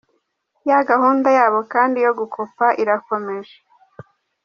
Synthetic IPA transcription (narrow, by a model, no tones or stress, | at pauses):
jaɡahuːndajaːβo̞kaːndijo̞ɡukʰopaʔiɾako̞me̞ʒe